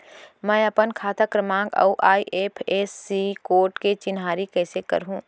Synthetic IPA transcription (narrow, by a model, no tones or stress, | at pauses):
mɛ̃ːɐpənkʰaːt̪ʰəkɾəmãːŋɡɐ̰uʔaːiʔeːpʰeːsːikoːɾʈket͡ʃɪnɦaːɾikɛːsekɐ̰ɾɦũː